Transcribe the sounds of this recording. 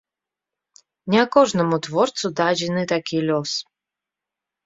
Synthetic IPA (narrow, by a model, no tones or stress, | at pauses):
nʲɛɐkɔʐnɐmut̪vɔrt̪sud̪ad͡zʲɛnɨt̪akʲʰilʲɔs